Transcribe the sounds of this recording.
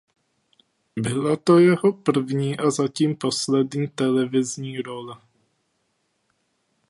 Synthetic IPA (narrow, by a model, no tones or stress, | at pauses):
bɪlat̪ɔjɛɦɔpr̩vɲiːʔazaciːmpɔslɛd̪ɲiːt̪ɛlɛvɪzɲiːɾɔlɛ